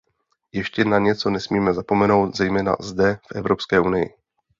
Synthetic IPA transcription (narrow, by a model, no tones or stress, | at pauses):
jɛʃcɛnaɲɛt͡so̞nɛsmiːmɛzapo̞mɛno̞wt̪zɛjmɛːna̰zdɛfʔɛvɾo̞pskɛːʔunɪjɪ̰